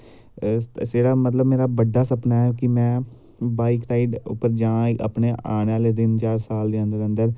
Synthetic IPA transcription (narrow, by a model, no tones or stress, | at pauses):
seːɽaːmət̪ləbmeːɾaːbəɖːaːsəpnaːɛːkɪmɛ̃ː | baːɪksaːiɖʊ̰pːəɾd͡ʒãːa̰pɳeːaːneaːleːd̪ɪnt͡ʃaːɾsaːld̪eːənd̪əɾə̃nd̪əɾ